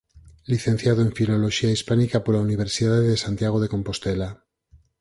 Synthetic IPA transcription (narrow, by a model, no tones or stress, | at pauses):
liθe̞n̟θjað̞oeɱfilo̞loʃiaispanikapoɾlauniβ̞eɾsiðaðeðesant̪jaɣ̞oð̞e̞ko̞mpo̞st̪ela